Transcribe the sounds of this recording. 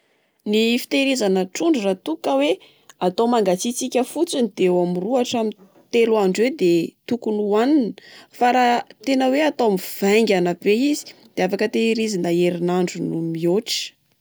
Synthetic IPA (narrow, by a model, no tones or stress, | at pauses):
nifi̥t̪eɾizanəʈ͡ʂuɳɖ͡ʐurat̪ukəwe | at̪omaŋɡat͡sit͡sikʲəfut͡sunid̪̥eewamiruaʈ͡ʂami | t̪eluaɳɖ͡ʐwewd̪et̪ukunuaninəfaɾat̪enəweat̪omiv̥ajŋɡʲanabeizi̥d̪̥eafakət̪eɾizinaeɾinaɳɖ͡ʐunumioʈ͡ʂə̥